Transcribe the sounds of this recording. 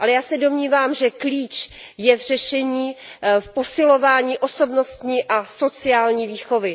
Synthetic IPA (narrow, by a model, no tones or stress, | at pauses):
ʔalɛjaːsɛdo̞mɲiːvaːmʒɛkliːt͡ʃ | jɛvr̝̥ɛʃɛɲiː | fpo̞sɪlo̞vaːɲiːʔo̞so̞bno̞st̪ɲiːʔaso̞t͡sɪaːlɲiːviːxo̞vɪ